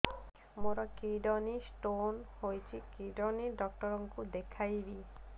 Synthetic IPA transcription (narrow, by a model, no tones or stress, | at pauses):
moɾakiɖɔnisʈonhojt͡ɕʰikiɖɔniɖɔkʈɔɾɔŋkud̪ekʰajbi